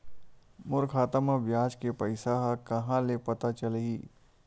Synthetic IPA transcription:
mʊɾkʰaːt̪əmabjaːd͡ʒkepɐɪsaɦakɐɦãlepɐt̪at͡ʃɐleiː

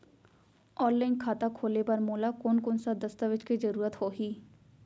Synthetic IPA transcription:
ɔːnlaːinkʰaːt̪aːkʰoːleːbaɾmoːlaːkʊːnkʊnsaːd̪əst̪aːʋɪt͡ʃkiːzəɾuːɾət̪hoːɦiː

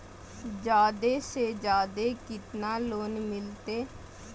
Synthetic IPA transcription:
d͡ʒaːd̪eːseːd͡ʒaːd̪eːkɪt̪naːloːnmɪlt̪eː

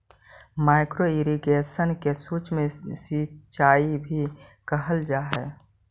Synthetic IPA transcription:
maːɪkɾoɪɾiɡeːʃənkesuːt͡ʃmẽsit͡ʃaːibʱikəɦəld͡ʒaːɦɛː

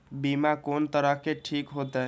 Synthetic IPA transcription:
bimakont̪əɾəɦkeʈʰikɦot̪ɛ

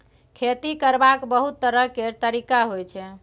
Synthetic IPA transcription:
kʰet̪ikəɾbakbəɦut̪ːəɾəɦket̪əɾikaɦojt͡ʃʰɛ

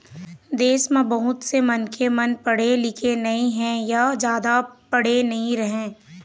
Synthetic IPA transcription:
d̪eːsmẽbɐɦʊt̪semɐnkʰemɐnpɐɽ̤elɪkʰenɐĩɦɛ̃jad͡ʒjaːd̪apɐɽ̤enɐɦĩɾɐɦẽː

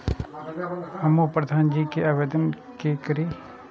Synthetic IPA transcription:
ɐmupɾəd̪ʱaːnd͡ʒiːkeaːbeːd̪ən | kekəɾi

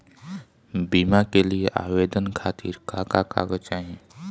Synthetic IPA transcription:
biːmakelieʔaːweːd̪ənkʰaːt̪ʰɪ̰ɾkaːkaka̰ːɡət͡ʃaːɦĩ

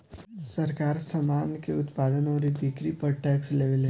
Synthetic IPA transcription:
sɐɾkaːɾsəmaːnkeʊt̪paːd̪ənɔːɾibikɾipəɾʈɛːksleːʋəlɦe

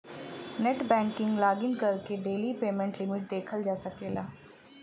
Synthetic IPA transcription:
nɛʈbɛ̃ːŋkɪŋɡlaːɡɪnkəɾkeɖeːliːpeːmɛ̃ɳʈlɪmɪʈ̚d̪eːkʰəld͡ʒaːsəkeːlaː

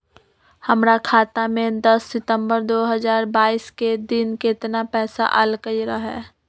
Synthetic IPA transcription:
hɐmɾakʰaːt̪amẽd̪ɐsːɪt̪ə̃mbəɾd̪oːɦəzaːɾbaːisked̪ɪnkɪt̪napɛːsa̰ʔɐlkəiɾaɦɛ̰ː

